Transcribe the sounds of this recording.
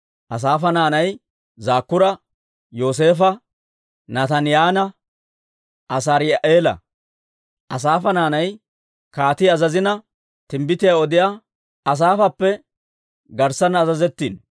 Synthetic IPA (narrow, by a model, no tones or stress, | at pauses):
ʔɐs̬aːfɐnaːnɐj | zaːkːʊɾɐ | jo̞ːs̬e̞ːfɐ | nɐt̪ɐnɪjaːnɐ | ʔɐs̬ɐɾɪjʔeːlɐ̰ | ʔɐs̬aːfɐnaːnɐj | kaːt̪ɪɐzɐzɪnɐ | t̪ɪmbɪt̪ɪjaɔd̪ɪjaː | ɐs̬aːfɐpːɛ | ɡɐɾsɐnɐzɐzɛt̪ːḭːn